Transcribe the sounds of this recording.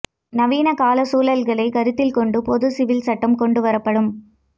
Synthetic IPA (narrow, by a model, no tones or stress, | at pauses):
nɐʋiːnɐkaːlɐsuːlɐlɣɐɭɐɪkɐɾɯt̪ːɪlkɔɳɖɯpɔðɯsɪʋɪlsɐʈːɐmkɔɳɖɯʋɐɾɐpːɐɽɯm